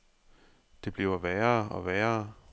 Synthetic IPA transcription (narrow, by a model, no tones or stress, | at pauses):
d̥e̝b̥liʊɐʋæːɐːɒ̽ʋæːɐː